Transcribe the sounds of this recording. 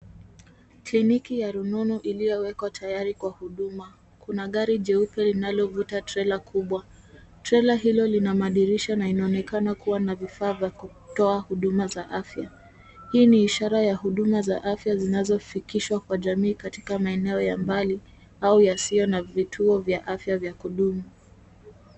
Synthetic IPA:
klinikijaɾununuʔilijɔwɛkwatʰajaɾikwahuɗuma | kunaɠaɾiʄɛupɛlinalɔvutatɾɛlakʰuɓwa | tɾɛlaɦilɔlinamaɗiɾiʃanainaɔnɛkanakuwanavifaːvjaku | tɔahuɗumazaʔafja | hiːniːʃaɾajahuɗumazaʔafjazinazɔfikiʃwakwaʄamiːkati̥kamaɛnɛɔjambali | aujasiɔnavitʰuɔvjaʔafjavjakuɗumu

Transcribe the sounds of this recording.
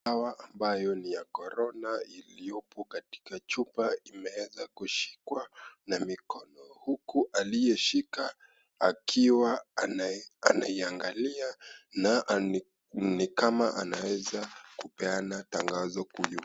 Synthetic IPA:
awaʔambajɔnijakɔɾɔnailiɔpʰɔkati̥kat͡ʃupaimɛwɛzakuʃi̥kwanamikɔnɔhukuʔalijɛʃika | akʰiwa | a̰naiaŋɡaliana | nikamaʔanawɛzakupɛanataŋɡazɔkuju

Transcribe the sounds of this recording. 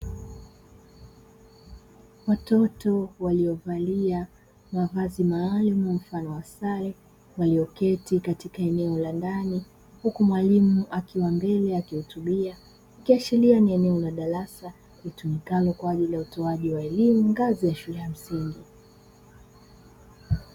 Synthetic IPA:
watɔtɔwaliɔvalia | mavazimaːlumum̩fanɔwasaɾɛ | waliɔkɛtikatikaɛnɛɔlandani | hukumwalimuʔakiwambɛlɛakihutuɓia | akiat͡ʃilianiɛnɛɔlaɗaɾasa | litumikalɔkwaːʄilijautɔaʄiwaɛlimuŋɡazijaʃulɛam̩siŋɡi

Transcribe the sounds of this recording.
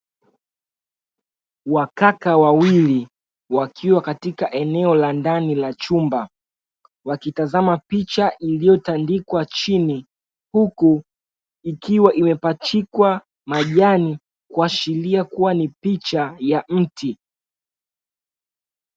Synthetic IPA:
wakakawawili | wakʰiwakatikaʔɛnɛɔlandanilat͡ʃumba | wakitazamapit͡ʃaʔilijɔtandikwat͡ʃini | huku | ikiwaʔimɛpat͡ʃikwa | maʄani | kuat͡ʃiliakuwanipit͡ʃajam̩ti

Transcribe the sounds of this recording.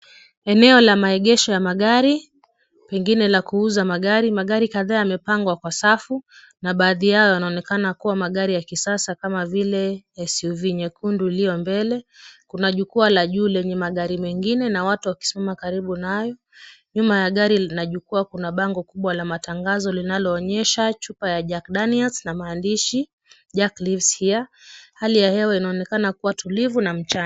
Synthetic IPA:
ɛnɛɔlamaɛɠɛʃɔjamaɠaɾi | pɛŋɡinɛlakuuzamaɠaɾimaɠaɾikaðaːjamɛpaŋɡwakwasafu | naɓaːðiaɔjanaɔnɛkanakuwamaɠaɾijakisasakamavilɛɛsiuviɲɛkunduilijɔmbɛlɛkunaʄukualaʄuːlɛɲɛmaɠaɾimɛŋɡinɛnawatuwaki̥simamakaɾiɓunajɔ | ɲumajaɠaɾiinaʄukuakunaɓaŋɡɔkuɓwalamataŋɡazɔlinalɔːɲɛʃat͡ʃupajaʄakɗaniɛlsnamaːndiʃi | ʄaklivshiahalijahɛwainaɔnɛkanakuwatulivunam̩t͡ʃan

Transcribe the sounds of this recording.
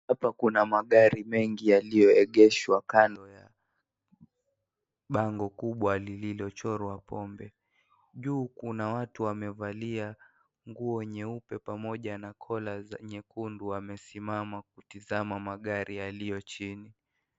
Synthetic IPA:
hapakunamaɠaɾimɛŋɡijalijɔɛɠɛʃwakanɔja | ɓaŋɡɔkuɓwalililɔt͡ʃɔɾwapʰɔmbɛ | ʄuːkunawatuwamɛvalia | ŋɡuɔɲɛupɛpamɔʄanakʰɔlazɛɲɛkunduwamɛsimamakutizamamaɠaɾʔijalijɔt͡ʃini

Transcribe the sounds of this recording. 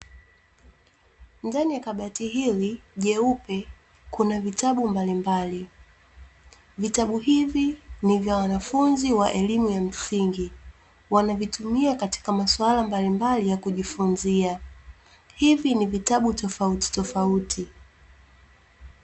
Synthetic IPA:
ndanijakaɓatiɦiliʄɛupɛ | kunavitaɓumbalimbali | vitaɓuɦivinivjawanafunziwaʔɛlimujam̩siŋɡi | wanavitumiakati̥kamaswalambalimbalijakuʄifunzia | hivinivitaɓutɔfauti̥tɔfautʰi

